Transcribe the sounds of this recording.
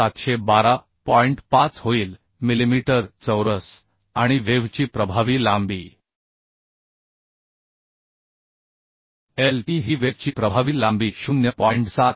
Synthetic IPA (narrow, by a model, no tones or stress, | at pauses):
at̪ɕebaɾa | pɔiɳʈpat͡sɦoiːl | milimiʈəɾt͡səwɾəs | aɽ̃iʋeʋt͡ɕiːpɾəbʱaʋiːlambiː | elʈiɦiːʋeʋt͡ɕiːpɾəbʱaʋiːlambiːɕunjəpɔiɳʈsat̪̚